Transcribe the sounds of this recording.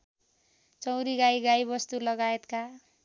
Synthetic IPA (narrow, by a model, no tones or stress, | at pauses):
t͡sʌw̃ɾiɡajɡajbʌst̪ulʌɡaet̪ka